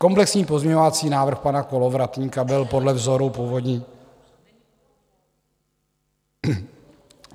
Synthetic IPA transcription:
ko̞mplɛksɲiːpo̞zmɲɛɲovat͡siːnaːvr̩xpanakolovɾat̪ɲiːkabɪlpo̞dlɛvzo̞ɾupuːvodɲiː

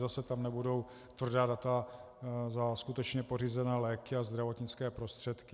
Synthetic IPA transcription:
zasɛt̪amnɛbudo̞w | t̪vr̩daːdat̪a | zaskut̪ɛt͡ʃɲɛpo̞riːzɛnɛːlɛːkɪazd̪ɾavo̞t̪ɲɪt͡skɛːpɾo̞st̪r̝̥ɛt̪kɪ

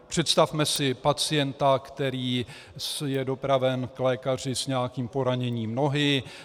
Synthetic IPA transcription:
pr̝̥ɛt̪st̪afmɛsɪpat͡sɪjɛnt̪akt̪ɛɾiː | sjɛdo̞pɾavɛnklɛːkar̝ɪsɲɛakiːmpo̞ɾaɲɛɲiːmno̞ɦɪ

